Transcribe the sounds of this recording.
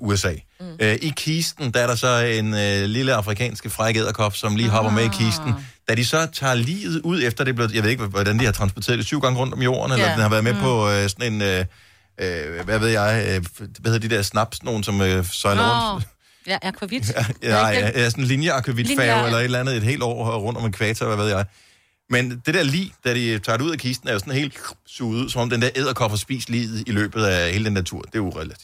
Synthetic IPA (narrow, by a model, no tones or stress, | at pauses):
uesɛ̰ː | øʔikʰiːsd̥n̩d̥ææɐɾɑ̈sɒ̽e̝nøliləɑ̈fʁikʰɛ̰ːnsɡ̥əfʁɑ̈ɪɡ̥eð̰ˠɐkʰɒb̥sɒ̽mliːɦɒ̽b̥ɐmeikʰiːsd̥n̩ | d̥æd̥isɒ̽t͡sʰɑ̰̈ːlḭːð̩ˠuð̞̰ˠefd̥ɐd̥e̝b̥le̝jɑɪʋe̝ðˠeɡ̥ʋɒd̥ænd̥ihɑ̈t͡sʰʁɑnsb̥ɒt͡sʰe̝̰ɐð̥ˠe̝syʊ̰ɡ̥ɑ̈ŋəʁɔ̽n̰d̥ɒ̽mjo̰ːɐn̩elɐd̥enhɑ̈ʋæːɐðˠmepʰɒ̽sɒ̽ne̝nø | øʋæʋe̝ð̞ˠjɑ̈ɪøʋæheðˠd̥id̥e̝ɐsnɑ̈b̥sno̝ːn̩sɒ̽møsɒɪno̰ | ɪsɒnn̩linjəɑ̈kʰiʋid̥fɛʊelɐe̝ɾ̥elænð̩ˠe̝d̥ɦe̝̰ːld̥ɒ̰ːʁɔ̽n̰d̥ɒ̽me̝nkʰʋɛːt͡sʰɐʋæʋe̝ð̞̰ˠjɑ̈ɪ | mend̥e̝d̥eɐlḭːd̥æd̥it͡sʰɑ̈ːdɾeuð̰ˠækʰisd̥n̩æɐjo̝sɒ̽nhe̝̰ːld̥suːð̩ˠuðˠsɒ̽mɒ̽md̥end̥eɐʔe̝ð̞̰ˠɐkʰɒ̽b̥ɐsb̥ḭːslḭːð̩ˠilø̰ːb̥ð̩ˠæheːləd̥en̥æt͡sʰṵɐ̰d̥e̝uʁɛlid̥